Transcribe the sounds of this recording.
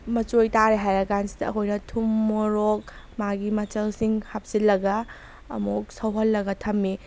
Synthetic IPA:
mɐt͡ʃojtaɾeɦajɾɐɡansi̥dɐɐ̰kojnɐtʰumːoɾok̚ | maɡimɐt͡ʃɐlsiŋhap̚silːɐɡɐ̰ː | muk̚sɐwɦɐlːɐɡɐtʰɐmːi

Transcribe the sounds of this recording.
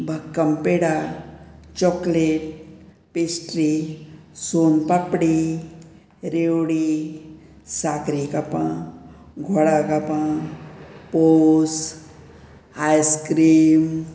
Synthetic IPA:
bʱɐkːɐmpeːɽa | t͡ʃɔːkleʈ̚ | pesʈɾi | soːnpapɽi | ɾewɽi | saːkɾikɐpã | ɡʱoɽakɐpã | pos | ajskɾiːm

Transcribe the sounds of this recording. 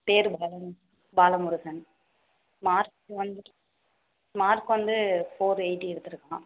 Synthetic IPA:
peːɾbaːlɐn | baːlɐmʊɾʊɣɐn | maːɾkʋɐnd̪ | maːɾkʋɐnd̪ɯfoːɾeɪʈːɛɽɯt̪ːɯɾɯkːãː

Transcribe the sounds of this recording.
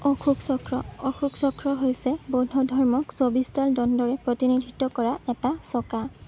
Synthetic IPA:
ɔxʰuksɔkɹɔɔxuksɔkʰɹɔɦojsɛbodʱɔdʱɔɹmɔksobistaldɔndɔɹɛpɹotinidʱitːɔkɔɹaɛtasɔka

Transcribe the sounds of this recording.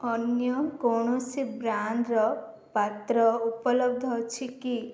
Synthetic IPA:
ɔnjɔkɔɽ̃ɔsibɾand̪ɾɔ | pat̪ɾɔupɔlɔb̚d̪ʱɔt͡ʃʰiki

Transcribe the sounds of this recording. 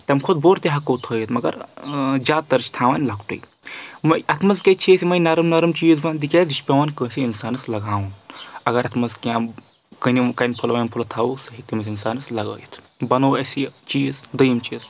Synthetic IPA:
t̪ɐmkʰʊd̪boːɾt̪iɦɐkoːt̪ʰəːjit̪mɐɡɐɾd͡ʒʲaːt̪ɐɾt͡ʃʰt̪ʰaːʋaːnʲlɐkʈṵj | mɐʔɐt̪ʰmɐzkʲɐt͡ʃʰiːsʲimɐjnɐɾɨmnɐɾɨmt͡ʃiːzbɐnd̪ikʲeːzit͡ʃʰpʲɐʋaːnʲkəːsʲiinsaːnɨslɐɡaːwunɐɡɐɾɐt̪ʰmɐzkʲjãː | kɐnikɐnpʰulʋɐːnpʰulɐt̪ʰɐwusɨɦit̪imɐsʲinsaːnɨslɐɡə̰ːjit̪ʰ | bɐnoːɐsit͡ʃiːzd̪ɐjimt͡ʃiːz

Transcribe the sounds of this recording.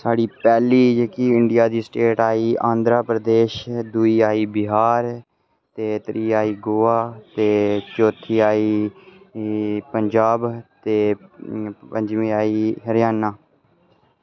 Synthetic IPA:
saːɽiːpɛːliːd͡ʒeːkiːɪɳɖɪjaːd̪iːsʈeːʈaːiːʔãːnd̪ɾaːpɾəd̪eːʃd̪uːiːaːiːbɪɦaːɾ | t̪eːt̪ɾʔiːaːiːɡoːaːt̪eːt͡ʃoːt̪ʰiːaːiː | pəɲd͡ʒaːbt̪eː | pəɲd͡ʒmĩːaːiːɦəɾjaːnaː

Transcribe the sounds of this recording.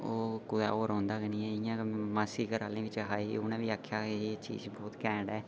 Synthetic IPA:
oːkʊd̪a̰ːoːɾɔ̃ːnd̪aːɡənĩːɛːɪjãːmaːsiːkəɾa̰ːlẽːʋɪt͡ʃɦaːiːʊnãːʋiːaːkʰːjaːet͡ʃḭːzbɔːt̪kɛ̃ːɳɖɛː

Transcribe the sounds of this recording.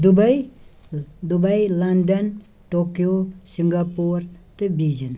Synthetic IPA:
d̪ubaj | d̪ubajland̪ɐn | ʈokijosiŋɡapoɾt̪ɨbid͡ʒən

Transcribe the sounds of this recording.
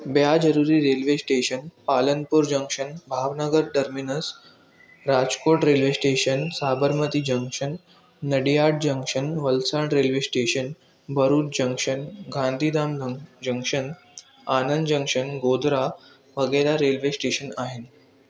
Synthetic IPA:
bjad͡ʑəɾuɾiːɾelʋesʈeɕənpalənpuːɾd͡ʑəŋkʂənbʱaʋnəɡəɾɖəɾminəs | ɾad͡zkoʈɾelʋesʈeɕənsabəɾmət̪iːd͡ʑəŋkʂənː | əɽijaʈ̚d͡ʑəŋkʂənʋəlsaɳɾelʋesʈeɕən | bʱəɾuːt͡sd͡ʑə̃ŋkʂənɡʱãnd̪ʱiːd̪aməd͡ʑəŋkʂən | anənd̪d͡ʑə̃ŋkʂənɡod̪ɾa | ʋəɡəɾaɾelʋesʈeɕənaɦen

